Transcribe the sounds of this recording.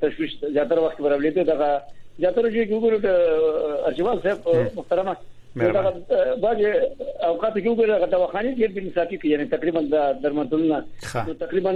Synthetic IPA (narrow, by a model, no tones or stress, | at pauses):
t̪aʃwiʃzjɑt̪aɾawaxt̪kebaɾawled̪əd̪aɣazjɑt̪aɾad͡ʒojkewʊɡoɾeɖ | aɾt͡ʃiwɑlsebmʊht̪aɾama | nod̪aɣabɑːzeawqɑːt̪akewʊɡoɾed̪aɣad̪awɑxɑneɖeɾbinɪsɑfikəjanet̪aqɾiband̪ad̪aɾmat̪ulunanot̪aqɾiban